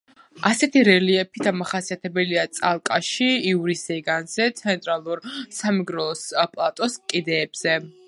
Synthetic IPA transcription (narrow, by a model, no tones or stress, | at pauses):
asɛt̪ʰiɾɛliɛpʰid̪amaχasiat̪ʰɛbɛliat̪sʼalˠkʼaʃiiuɾisɛɡanz̥ɛt̪sʰɛnt̪ʼɾalˠuɾsamɛɡɾɔlˠɔspʼlˠat̪ʼɔskʼid̪ɛːb̥z̥ɛ